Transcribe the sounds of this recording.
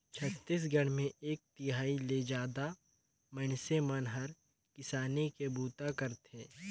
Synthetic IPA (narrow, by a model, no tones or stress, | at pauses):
t͡ʃʰət̪ːis̬ɡəɽ̤̃mẽʔeːk̚t̪ɪɦaːiled͡ʒaːd̪a | mənsemənɦəɾ | kɪsaːnekebʱuːt̪akəɾt̪eː